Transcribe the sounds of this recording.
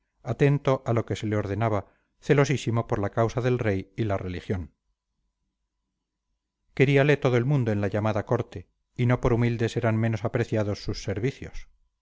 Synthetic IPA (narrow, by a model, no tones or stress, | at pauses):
at̪e̞nt̪o̞ʔalo̞ke̞se̞leo̞ɾðe̞naβ̞a | θe̞lo̞sisimo̞poɾlakawsaðe̞lre̞jilare̞lixjo̞n | ke̞ɾiale̞t̪o̞ðoe̞lmũnd̪oe̞nlaʎamaðako̞ɾt̪e̞ | ino̞po̞ɾumild̪e̞se̞ɾanmẽ̞no̞sapɾe̞θjaðo̞sːusːe̞ɾβiθjo̰s